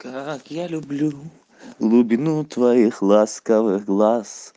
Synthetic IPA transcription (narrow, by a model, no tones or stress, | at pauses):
kakijalublu | lubinut̪vaiχlaskaveɡlas